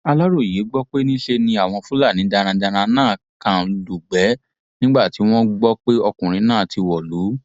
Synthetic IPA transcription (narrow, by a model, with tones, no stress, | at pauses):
a˧la˦ɾo˦˨je˨˦ɡ͡bɔ˦k͡pe˦nĩ˦ʃe˧nĩ˧a˨w̃ɔ̃˧fũ˦la˦˨nĩ˨˦da˧ɾ̃ã˧da˧ɾ̃ã˧nãː˦˨ | kã˨du˨ɡ͡bɛ˨˦ | nĩ˦ɡ͡ba˦˨ti˨˦w̃ɔ̃˦ɡ͡bɔ˦k͡pe˦ɔ˧kũ˨ɾ̃ĩ˨˧˦nãː˦˨tʰi˧wɔ˨lu˨˦